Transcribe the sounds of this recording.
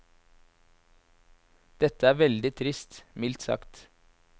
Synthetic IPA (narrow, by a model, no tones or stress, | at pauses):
d̪̥ɛt̪əæːɾʋɛld̪ɪt̪ʰɾɪst̪mɪlt̪sɑ̰kt̪